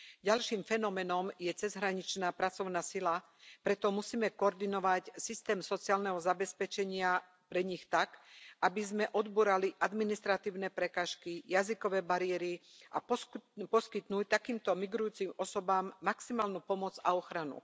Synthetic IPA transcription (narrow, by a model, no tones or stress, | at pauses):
ɟalʃiːmfɛnɔmɛnɔmjɛt͡sɛzɦɾaɲit͡ʃnaːpɾat͡sɔʊnaːsila | pɾɛt̪ɔmusiːmɛkɔɔɾd̪inɔʋacsist̪ɛːmsɔt͡siaːlnɛɦɔzabɛspɛt͡ʃɛɲɪa | pɾɛɲixt̪akabizmɛʔɔd̪buːɾaliʔad̪minist̪ɾat̪iːʊnɛpɾɛkaːʃkijazikɔʋɛːbaɾɪɛɾi | ʔa̰ppɔskit̪nuːc̚t̪akiːmt̪ɔmiɡɾujuːt͡simɔsɔbaːmːaksimaːlnuːpɔmɔd͡za̰ɔxɾanṵ